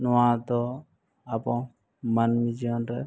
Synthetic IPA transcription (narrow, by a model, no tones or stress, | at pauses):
nɔãt̪ɔ | apɔ̃ | manmid͡ʒiɔnɾɛ